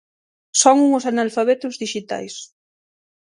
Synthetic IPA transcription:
sɔŋuŋosanalfaβɛt̪ʊzðiʃit̪a̰js

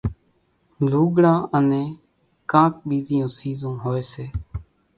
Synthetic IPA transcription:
luːɡɽãːʔənẽː | kãːkɓiːzɪjõːsiːzõːɦoːeːseː

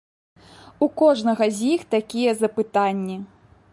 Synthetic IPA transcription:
ukɔʐnɐɣɐzʲjixt̪akʲijɛzɐpɨt̪anʲːi

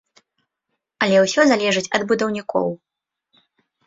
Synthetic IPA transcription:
ɐlʲɛwsʲɔzalʲɛʐɨt͡sʲɐd̪bud̪ɐwnʲikʰɔ̰w

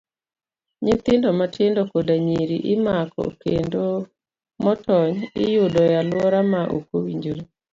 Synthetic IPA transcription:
ɲɪt̪ɪndɔmatɪndɔkodaɲiɾḭʔɪmakɔ̰kendo | mɔtɔɲɪ̰jʊdɔjalwɔɾamaʔo̰kowiɲd͡ʒoɾe

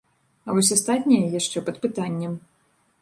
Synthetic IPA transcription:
ɐvɔsʲast̪at̪ʲnʲijɐjaʂt͡ʂɛpɐt̪pɨt̪anʲːɐm

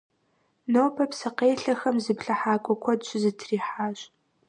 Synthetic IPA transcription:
noːpʰɐpsɨqeːɬɐxɐmzɨpɬɐħaːkʷʼɔkʷʰɔdɕʼɪzɨtʰriːħaːɕʼ

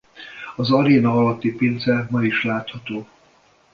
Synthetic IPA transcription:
ɒzɒɾeːnɒɒlɒt̪ːipeːnzɛmɒiʃlaːt̪hɒt̪oː

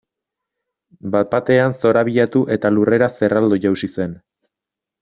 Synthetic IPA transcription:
bat̪̚pat̪e̞anso̞ɾaβ̞iʎat̪uʔe̞t̪alure̞ɾase̞rald̪oʝawsise̞n

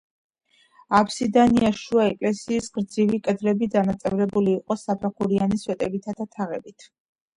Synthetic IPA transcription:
apʰsid̪aniaʃuaɛkʼlɛsiːsɡ̥ɾd̪zivikʼɛd̪lɛbid̪anat̪sʼɛvɾɛbuliːqʼɔsapʰɾɛχuɾianiswɛt̪ʼɛbit̪ʰad̪at̪ʰaʁɛbit̪ʰ

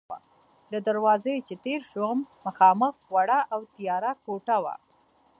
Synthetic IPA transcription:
a̰ | ləd̪aɾwɑzəjt͡ʃet̪eɾʃoɣmːəxɑməxɣwaɽaʔawt̪ijɑɾakoʈawa̰

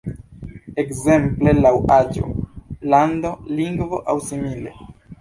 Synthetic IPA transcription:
e̞kze̞mple̞lawad͡ʒo̞̰lando̞liŋɡvo̞ʔawsimile̞̰

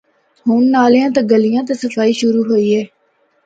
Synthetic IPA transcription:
ɦʊːnːaːljãːt̪aɡəlɪjãːt̪̬asəfaːiːʃʊɾuːɦoːiːɦɛː

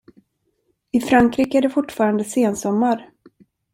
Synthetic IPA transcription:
ɪfɾaŋkɾiːkəæɖɛfʊʈːfɑːɾand̪əseːnsɔmːaɾ

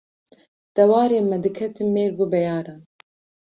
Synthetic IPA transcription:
d̪̥ɛwɑːɾeːmɛd̪ɨkʰɛt̪ʰɨnmeːɾɡubɛjɑːɾɑːn

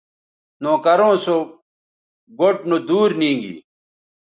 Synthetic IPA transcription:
nõːkɐɾõːsok | ɡoʈ̚nod̪uːɾnĩːŋɡḭː

